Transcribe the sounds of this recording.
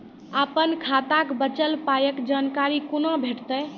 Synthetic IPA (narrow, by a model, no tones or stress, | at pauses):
əpənkʰat̪akbət͡ʃəlpajəkd͡ʒankaɾikonɔbʱeʈt̪ə